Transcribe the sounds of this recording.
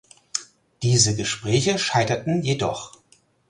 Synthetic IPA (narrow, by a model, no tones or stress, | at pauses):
d̥iːzəɡəʃpʁ̥ɛːçəʃaɪtɐtn̩jedɔ̰χ